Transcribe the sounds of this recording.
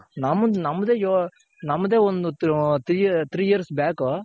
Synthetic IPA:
nɐmɐnɐmːɐd̪eːjo | nɐmːɐd̪eːɔnd̪ut̪ʰɾiːt̪ʰɾiːjiɾsbaːko

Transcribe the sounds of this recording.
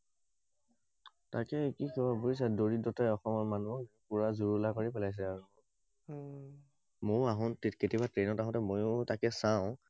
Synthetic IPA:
takɛkikɔbabois̬adoɹidɔtajɔxɔmɔɹmanuɔkkuɹazuɹulakoɹipɛlajs̬ɛaɹu | mʊɹaɦɔ̃nteketibatɹenɔtaɦɔ̃tɛmojʊ̃takɛsaʊ̃

